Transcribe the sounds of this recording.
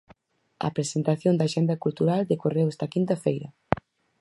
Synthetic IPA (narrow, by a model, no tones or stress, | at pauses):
ɐ̰pɾesent̪aθjond̪aʃɛnd̪ɐkult̪uɾald̪ekorewɛst̪ɐkint̪ɐfejɾɐ